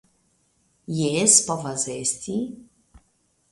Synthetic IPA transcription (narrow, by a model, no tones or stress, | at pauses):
jespɔvazest̪ʲʰi